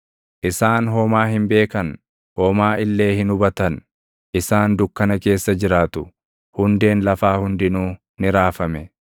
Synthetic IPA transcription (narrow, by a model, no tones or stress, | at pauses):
ʔɪsaːnɦoːmaːɦɪmbe̞ːkɐn | hoːmaːʔɪlːe̞ːhɪnʊbɐt̪ɐn | ʔɪsaːnd̪ʊkːɐnɐke̞ːsːɐd͡ʒɪɾaːt̪ʊ | hʊnd̪e̞ːnlɐfaːhʊnd̪ɪnuː | nɪɾaːfɐmɛ